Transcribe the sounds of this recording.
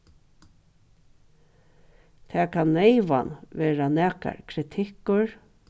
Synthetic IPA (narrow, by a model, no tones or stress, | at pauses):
t̪ʰɛːkʰanːɛɪʋa̰nʋeːɾanæːka̰ɹkʰɾɪt̪ʰɪkʊɹ